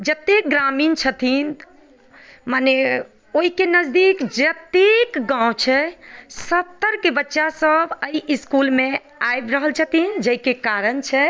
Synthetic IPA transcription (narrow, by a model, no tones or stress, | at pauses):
d͡ʒət̪eɡɾamint͡ʃʰət̪ʰin | mane | oɦikenəd͡ʒd̪ikd͡ʒət̪ekɡãwt͡ʃʰɛsəpt̪ːəɾkebətːʃasəbəiiskulme | ajbɾəɦəlt͡ʃʰət̪ʰind͡ʒəikekaɾənt͡ʃʰɛ